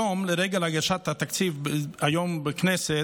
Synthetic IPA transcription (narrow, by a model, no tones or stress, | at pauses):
omleɾeɡalaɡaʃat̪hat̪akt͡sivbajombeknese